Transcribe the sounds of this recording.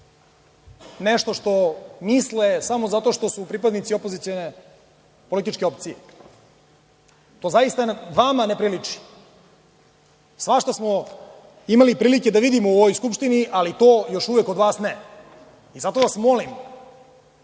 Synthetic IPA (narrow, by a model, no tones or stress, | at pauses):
neʃt̪oʃt̪o̞mislesamozat̪o̞ʃt̪o̞supɾipad̪nit̪siopo̞zit̪sijone | polit̪it͡ʃkeop̚t̪sijḛ | t̪o̞ːzajist̪aʋamanepɾilit͡ʂi̥ | sʋaʃt̪osmo | imalipɾiːlike̞d̪aʋid̪imouʋojskupʃt̪iniʔalit̪o̞ːjo̞ʃuʋekod̪ʋaːsne | izat̪oʋasmo̞lim